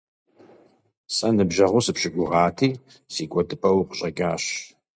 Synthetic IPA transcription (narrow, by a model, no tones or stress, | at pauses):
sʼɐnɨbʒɐʁʷʊsɨpɕɪɡʷʊʁɑːtʰiː | siːkʷʼɔdɨpʰʼɐwqʷʊɕʼɐɡaːɕ